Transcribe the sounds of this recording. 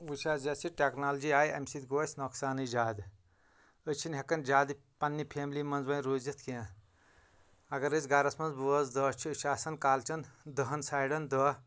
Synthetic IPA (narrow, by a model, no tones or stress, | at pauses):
ʋuʃaːzɐsiʈeknaːld͡ʒiaːjɐ̰msit̪ɡoːsʲnoksaːnɨd͡ʒaːd̪ | ət͡ʃʰinɦekɐnd͡ʒaːd̪i | pɐnːipʰeːmlimɐnzbɐnɾuːzit̪kiã | ɐɡɐɾɨsʲɡɐɾɐsmɐnzbuɐzd̪ɔːt͡ʃʰiɨʃaːsɐnkaːlt͡ʃʰɐnd̪əɦɐnsaːjɖɐnd̪əː